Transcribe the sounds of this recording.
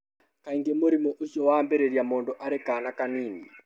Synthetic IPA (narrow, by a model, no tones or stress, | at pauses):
kaiŋɡemoɾimɔʔoʃjɔwaːmbɛɾeɾjamoːndoʔaɾekaːnakaniːni